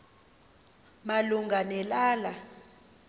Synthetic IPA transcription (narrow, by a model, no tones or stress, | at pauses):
maluŋɡʱanɛlaːla